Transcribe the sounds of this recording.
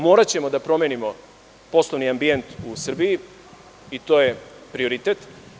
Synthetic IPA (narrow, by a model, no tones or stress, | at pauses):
moːɾat͡ɕe̞mo̞d̪apɾo̞menimo̞ | po̞slˠoʋniambient̪usr̩biji | it̪o̞ːje̞pɾioɾit̪et̪